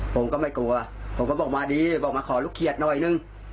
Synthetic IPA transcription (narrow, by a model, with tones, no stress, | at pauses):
pʰo˨˦mkɔː˧˩ma˥˩jku˨˩˨ɐpʰo˨˩˦mkɔː˧˩bɔː˨˩k̚maː˧diː˧bɔː˨˩k̚maː˧˥kʰɔː˨˩˦lu˧˥˩kʰːi˧˨˩ə˩t̪̚nɔ˧˩jnɯ˧˩ŋ